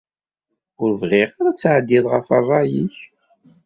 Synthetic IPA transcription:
ʊɾvʁɪʁaɾˤæt͡sːʕəd̪ːiðˤʁəfɑrˤɑjiç

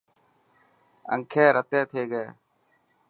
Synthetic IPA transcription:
ə̰ŋkʰeːɾʔət̪eːt̪ʰeːɡeeː

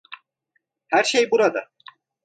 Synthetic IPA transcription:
hæɾʃejbuɾad̪a

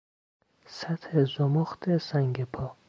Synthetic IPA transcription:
sæt̪hezomoxt̪ʰesæŋɡepʰɒː

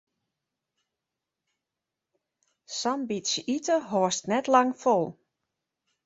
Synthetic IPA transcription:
sɑmbitsəʔitəɦoəstnɛtlɑŋfolˠ

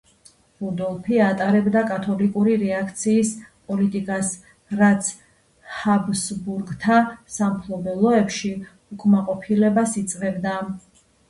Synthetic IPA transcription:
bud̪ɔlˠpʰiat̪ʼaɾɛbd̪akʼat̪ʰɔlikʼuɾiɾɛakʰt̪sʰiːspʼɔlit̪ʼikʼas | ɾat̪sʰ | habsbuɾɡt̪ʰasampʰlˠɔbɛlˠɔɛpʃi | ukʼmaqʼɔpʰilɛbasit̪sʼvɛbd̪a

